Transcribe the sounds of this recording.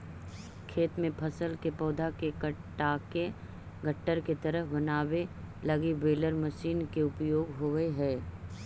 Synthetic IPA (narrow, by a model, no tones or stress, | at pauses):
kʰeːt̪mẽpʰɐsəlkepɔːd̪ʱakekəʈaːke | ɡəʈːəɾket̪ɐɾəɦbɐnaːwelɐɡibeːləɾməʃiːnkeʊpjoːɡɦoeɦɛː